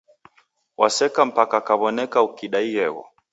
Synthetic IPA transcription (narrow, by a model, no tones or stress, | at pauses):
wʔasɛkam̩pakakaβɔnɛkaukiɗaiɛɣɔ̰